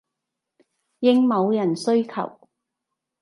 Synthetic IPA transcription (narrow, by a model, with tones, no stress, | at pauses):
jɪ˥ŋmo˨˧wjɐ˨˩nsɵ˥ɥkʰɐ̰˨˩w